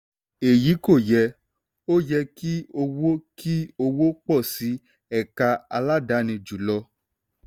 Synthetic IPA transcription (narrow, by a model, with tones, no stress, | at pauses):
e˨ji˨˦ko˦˨jɛ˧ | o˦jɛ˧ki˦o˧wo˦ki˦o˧wo˦k͡pɔ˦˨si˨˦ | ɛ˦˨ka˧a˧la˦da˨˦nĩ˧d͡ʒu˨lɔ˧